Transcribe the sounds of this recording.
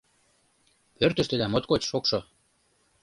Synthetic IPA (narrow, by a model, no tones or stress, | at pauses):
pørt̪ə̆ʃt̪ĕd̪æmot̪kot͡ɕʃokʃo